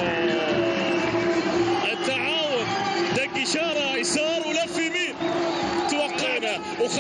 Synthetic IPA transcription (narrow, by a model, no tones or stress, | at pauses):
ʔɪt̪ːaʕaːwʊnd̪aɡɪʃɑːɾˤɑjsɑːɾˤwlafimiː | t̪wɑqːɪʕna | wx